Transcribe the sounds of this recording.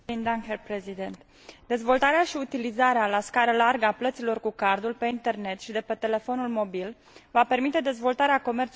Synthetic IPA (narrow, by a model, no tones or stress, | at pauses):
ind̪aŋherpɾezid̪ent̪ | d̪e̞zvo̞lt̪aɾeaʃiut̪ilizaɾealaskaɾəlarɡəaplət̪silo̞rkukard̪ulpe̞int̪e̞rne̞t̪ʃid̪e̞pe̞t̪e̞le̞fo̞nulmo̞bil | vape̞rmit̪e̞d̪e̞zvo̞lt̪aɾeako̞me̞rt̪s